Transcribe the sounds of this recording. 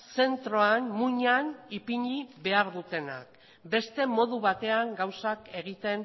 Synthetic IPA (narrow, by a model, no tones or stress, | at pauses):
se̞nt̪ɾo̞anmuɲanipiɲiβe̞aɾðut̪e̞na̰k̚ | be̞st̪e̞mo̞ð̞uβ̞at̪e̞aŋɡawsake̞ɣ̞it̪e̞n